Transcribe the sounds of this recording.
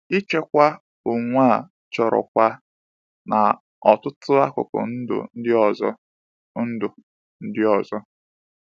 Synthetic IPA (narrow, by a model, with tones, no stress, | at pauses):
i˦t͡ʃe˦kʷa˦ | u˨ŋʷa˦˨ | t͡ʃɔ˨ɾɔ̰˨kʷa˦ | na˨ | ɔ˨tʊ˦tʊ˦a˦kʊ̰˨kɔ̰˨n̩˦dʊ̰˨n̩˦dɪ˦ɔ˨zɔ˦ | n̩˦dʊ˨ | n̩˦dɪ˦ɔ˨zɔ˦